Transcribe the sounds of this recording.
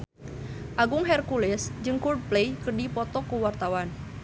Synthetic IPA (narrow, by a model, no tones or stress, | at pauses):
ʔaɡʊŋɦɛrkulɛsd͡ʒɨŋkurd̚plejkərdipɔt̪ɔkuwart̪awan